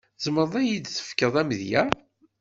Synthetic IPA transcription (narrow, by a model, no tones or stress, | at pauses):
zməɾðˤæjid̪θə̥fkəðˤæmðjæ